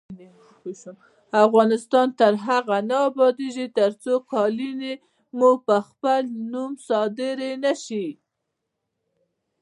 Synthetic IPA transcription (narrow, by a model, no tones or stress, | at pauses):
afɣɑnɪst̪ɑnt̪əɾɦaɣanaːbɑd̪eʒit̪əɾt͡sokɑline | mupəxpəlnumsɑd̪ɪɾenaʃi